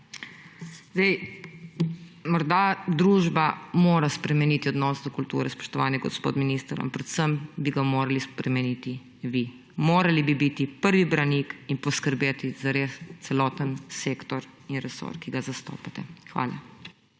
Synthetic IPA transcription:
zd̪ɛj | mɔɾd̪ad̪ɾuːʒbamoːɾaspɾɛmɛniːt̪iɔd̪nɔːsd̪ɔkult̪ṵːɾɛspɔ̥ʃt̪ɔʋaːnɛɡɔspo̰ːt̪miniːst̪əɾa̰mpɾɛt̪səmbiɡamoːɾalispɾɛmɛnit̪i | ʋi | moːɾalibibit̪ipəɾʋibɾanikinpɔskəɾbeːt̪izaɾest̪sɛlɔːt̪ənseːkt̪ɔɾ | inɾɛso̰ɾkiɡazast̪o̰ːpat̪ɛxʋa̰ːla̰

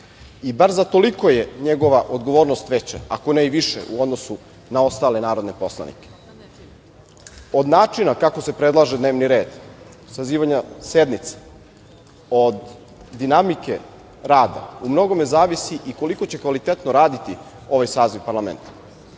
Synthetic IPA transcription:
ibaɾzat̪o̞liko̞jeɲe̞ɡo̞ʋaʔo̞d̪ɡo̞ʋoːɾnost̪ʋet͡ɕa̰a̰ko̞neiʋiʃḛʔṵo̞d̪nosu | nao̞st̪aːle̞naːɾo̞d̪ne̞po̞slˠa̰nḭke̥ | o̞d̪naːt͡ʂinakako̞se̞pɾed̪laʒed̪ne̞ːʋniɾe̞ːd̪ | saziːʋaɲase̞d̪nit̪se̥ | od̪ː | inamike̞ | ɾaːd̪a̰umno̞ɡo̞mezaːʋisiʔiko̞liko̞t͡ɕe̞kʋalit̪et̪noɾaːd̪it̪i | o̞ʋajsaːziʋpaɾlˠamḛnt̪ḁ

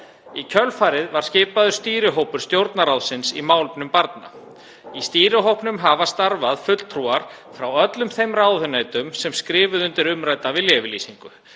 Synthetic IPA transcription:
icʰœlfaːɾɪðvaɾ̥scɪːpaðʏ̥st̪iːɾɪɦowpʏɾ̥st̪jowɾt̪naɾawðsɪnsimaːwlpnʏmpaɾt̪na̰ | ist̪iːɾɪɦowhpnʏmɦavast̪aɾvaðfʏt̪l̥t̪ʰɾuːaɾ̥ | fɾawœt̪lʏmθejmraːwðʏnaːjt̪ʏmsɛmskɾɪːvʏðʏnt̪ɪɾʏmɾajt̪avɪljɛvɪliːsiŋkʏ

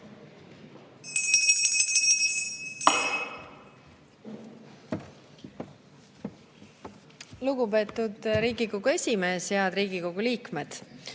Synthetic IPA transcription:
luɡupe̞ːt̪ːˑud̪̥ɾiːɡiko̞ɡ̥ue̞sʲimeːseɑd̪̥ɾiːɡ̥iko̞ɡ̥uliːkme̞d̪̥

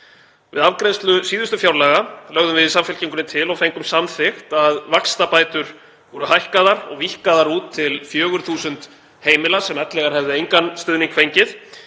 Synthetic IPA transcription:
vɪ̰ðavkɾɛnst̪lʏsiːðʏst̪ʏfjawɾlaɣalœɣðʏmvɪðsamfɪl̥ciŋkʏnɪt̪ʰɪlɔɣfejŋkʏmsamθɪxt̪aðvakst̪apaːjt̪ʏɾ̥ | ɔɾʏɦajhkaðaɾɔ̰ɣvihkaðaɾuːt̪ʰːɪlfjœːɣʏɾ̥θuːsʏnt̪ | heːjmɪlasɛmɛt̪lɛɣaɾhɛvðɪejŋkanst̪ʏðniŋkʰfejɲcɪθ

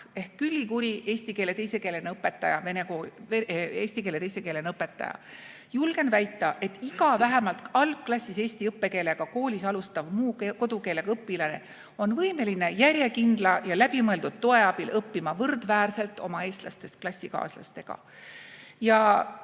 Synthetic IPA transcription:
e̞hkːylʲːikuɾiʔe̞ːsʲt̪ikele̞t̪e̞jse̞keːle̞neɤpːe̞t̪ːˑɑjɑve̞nekoːeeːsʲt̪ike̞ːle̞t̪ejse̞kele̞nɤpːˑe̞t̪ːˑɑ̰jɑ̰ | julɡ̥e̞nvæjt̪ˑːɑʔe̞t̪ːˑiɡɑvæɦæmɑlt̪ˑɑlkkːlɑsːise̞ːsʲt̪iɤpːe̞ke̞ːle̞ɡ̥ɑko̞ːlʲisɑlust̪ɑvmuːko̞d̪̥uke̞ːle̞kɤpːilɑne̞ | o̞nvɤime̞line̞jæɾʲje̞kind̪̥lɑjɑlæb̥imɤe̞ld̪̥ud̪̥̚t̪ːoe̞ɑb̥ilʔɤpːimɑvɤrd̪̥væːrse̞lt̪ˑo̞̰mɑe̞ːst̪lɑst̪e̞st̪̚klɑsʲːikɑ̰ːslɑ̰st̪e̞ɡ̥ɑ̰ | jɑ

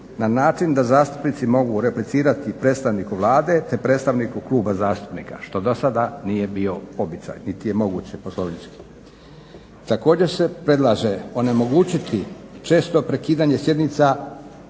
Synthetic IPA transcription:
nanaːt͡ʃind̪azaːst̪u̥pnit̪simo̞ɡuɾe̞plit̪siːɾat̪ipɾeːt̪st̪aʋniːkuʋlˠaːd̪e̞t̪e̞pɾe̞ːt̪st̪aʋnikukluːbazaːst̪u̥pnḭka̰ʃt̪o̞d̪o̞sad̪anije̞bio̞obit̪sa̰jnit̪ije̞mo̞ɡuːt͡ɕepo̞sloʋniski̥ | t̪ako̞ːd͡ʑe̞ɾse̞pɾe̞d̪lˠaʒeo̞ne̞mo̞ɡuːt͡ɕit̪ʰit͡ʃe̞ːst̪o̞pɾe̞kiːd̪aːɲe̞sje̞d̪nit̪sa

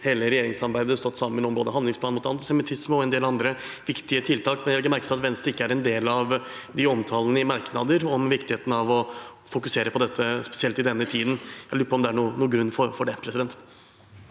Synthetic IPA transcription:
heːləɾɛjeːɾɪŋsɑɾbæɪd̪əst̪ɔt̪ːsɑmənɔmboːd̪əɦɑnd̪lɪŋspʰlɑnmʊt̪ɑnt̪ɪsɛmɪt̪ʰɪsməɔɛnd̪eːlɑnd̪ɾəʋɪkt̪ɪət̪ʰɪlt̪ʰɑːkmɛnjæʋlɪkːəmæɾkəɪɑt̪ʋɛnst̪ɪkːəæɾɛnd̪eːlɑʋ | d̪ɪɔmt̪ʰɑːlənəɪmɑɾknɑd̪əɾɔmʋɪkt̪ɪheːt̪n̩ɑʋɔ | fʊkʉseːɾəpʰɔd̪ɛt̪ʰːəspɛ̥sɪɛlt̪ɪd̪ɛnːət̪ʰiːd̪n̩jæɪlʉːɾəpʰɔmd̪ɛæɳuːnuːɡɾʉnːfɔɾfɔɖɛpʰɾɛsɪd̪ɛnt̪

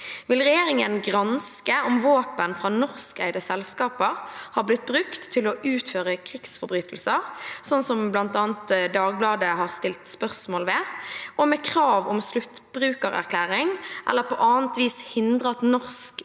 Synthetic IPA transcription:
ʋɪlʁɛjeːɾɪŋənɡʁɑnskəɔmʋoːpənfʁɑːnɔʁskæ̰ɪd̪əsɛlskɑːpəʁhɑːʁblɪt̪̚bʁʉkt̪ʰːɪlɔʔʉːt̪føːʁəkʰɾɪksfɔɾbʁyːt̪ʰəl̩səʁsɔnsɔmblɑnt̪ɑːnt̪d̪ɑːɡ̚blɑːd̪əhɑʁst̪ɪlt̪spœʁsmoːlʋɛɔmɛkʰɾɑːʋɔmslʉt̪b̥ɾʉːkəʁæ̰ʁkʰlæːɾɪŋʔɛ̰lːəɾpʰɔʔɑːənt̪ʋiːshɪnd̪ʁəɑt̪nɔʁsk

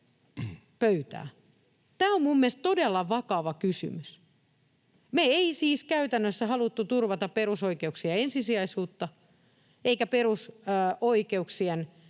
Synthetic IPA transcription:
pøyt̪æ̰ː | t̪æːommumːiest̪t̪odelːɑʋɑkɑʋɑkysy̰mys | meeisiːskæyt̪ænːøsːæhɑlut̪ːut̪urʋɑt̪ɑpperusoikeuksiɑensisiɑisuːt̪ːɑ | eikæperusoikeuksien

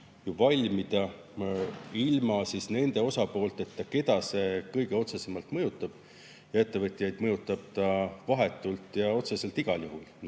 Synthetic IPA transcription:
juvɑlʲmid̪̥ɑ | ilmɑsisne̞nd̪̥e̞o̞sɑpo̞ːlt̪e̞t̪ːɑke̞d̪̥ɑse̞kɤjɡe̞o̞t̪se̞se̞mɑlt̪mɤ̞jut̪ːˑɑb̥ | jɑe̞t̪ːˑe̞vɤt̪ʲːˑijɑjd̪̥mɤjut̪ːˑɑb̥̚t̪ɑvɑɦe̞t̪ːˑult̪ˑjɑo̞t̪sese̞lt̪iɡ̥ɑljuɦul

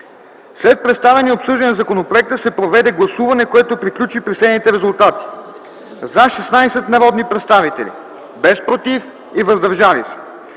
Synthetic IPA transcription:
slɛt̪̚pɾɛt̪st̪avɛnʲiɛopsɤʒd̪ɐnzɐkonopɾoɛk̚t̪əsɛpɾovɛd̪ɛɡlˠɐsuvɐnɛkoɛt̪opɾiklʲut͡ʃipɾisɛnit̪ɛɾɛzʊlˠt̪at̪i̥ | zaʃɛsnajsɛt̪nɐvɔd̪nipɾɛt̪st̪avit̪ɛ̰lʲḭ | bɛspɾot̪if | ivɐzd̪ɐɾʒavisɛ̥

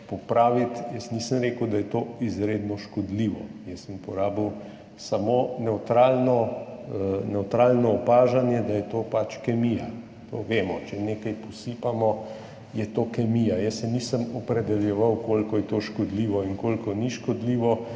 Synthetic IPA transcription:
pɔpɾaːʋit̪jɛsniːsəmɾeːkəwd̪ajɛt̪oːizɾeːd̪nɔʃkɔd̪liʋɔjɛsːəmupɔɾaːbiw | samonɛwt̪ɾaːlnɔ | nɛwt̪ɾaːlnɔːpaːʒanjɛd̪ajɛt̪oːpat͡ʃkɛmija | t̪oʋeːmɔt͡ʃɛneːkajpɔsipamɔ | jɛt̪oːkɛmijajɛsɛniːsəmɔpɾɛd̪ɛljɛʋawkolkɔjɛt̪oʃkɔd̪liːʋɔiŋkoːlkɔniʃkɔd̪liːʋɔ

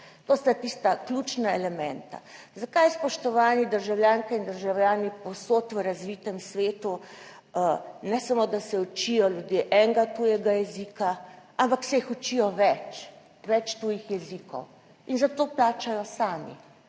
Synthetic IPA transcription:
t̪ost̪at̪ist̪aklʲuːt͡ʃnaɛlɛmɛnt̪a̰ | zakajspɔʃt̪ɔʋaːnid̪əɾʒawljaːŋkɛind̪əɾʒawljaːnipɔwsoːt̪ʋəɾazʋiːt̪ɛmsʋeːt̪u | nɛsamod̪asɛut͡ʃijɔljud̪jeʔɛŋɡat̪ujɛɡajɛziːkaampaksɛixut͡ʃijɔʋɛt͡ʃ | ʋɛt͡ʃt̪uːjixjɛzikɔ̰w | inzat̪oːplaːt͡ʃajɔsaːmḭ

